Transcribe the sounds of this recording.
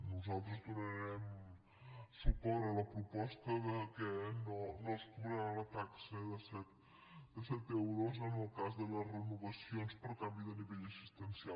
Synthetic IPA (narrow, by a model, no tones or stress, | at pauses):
nuzalˠt̪ɾəzd̪unəɾɛm | supɔɾələpɾupɔst̪əðəkənonoskuβɾalət̪aksəðəsɛt̪ | d̪əsɛt̪ewɾozənəlˠkazðələzrənuβəsionspəɾkambiðəniβɛʎəsist̪ənsia